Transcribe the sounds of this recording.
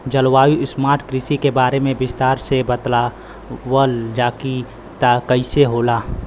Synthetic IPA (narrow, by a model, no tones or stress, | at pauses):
d͡ʒəlwaːjuɪsmaːɾʈkɾɪsikebaːɾemẽbɪst̪aːɾsebət̪la | wəld͡ʒaːki | t̪akəɪseɦoːlaː